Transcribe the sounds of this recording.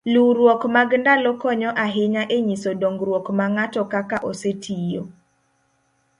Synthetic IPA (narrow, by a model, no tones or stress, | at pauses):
luɾwɔkmaɡndalɔkɔɲɔʔaɦɪɲaʔeɲisodoŋɡɾwɔkmaŋatɔkakaʔosetʰijo